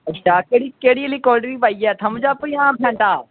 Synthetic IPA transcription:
əːʃʰaːkeːɽiːkeːɽiːəlikɔːɾɖəɾiːpaːiɛːt̪ʰɐmd͡ʒaːpəiãːpʰɛ̃ːɳʈaː

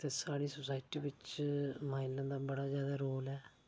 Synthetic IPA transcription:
t̪eːsaːɽiːsʊsaːɪʈiːbɪt͡ʃmaːɪlãːd̪aːbəɽaːzjaːd̪aːɾoːlɛː

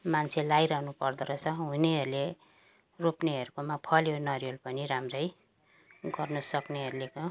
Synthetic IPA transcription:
mant͡sʰelajɾʌɦnupʌrd̪ʌɾʌt͡sʰʌɦuneɦʌɾule | ropneɦʌɾukomapʰʌljonʌɾjolpʌniɾamrʌj | ɡʌrnʌsʌkneɦʌɾuleko

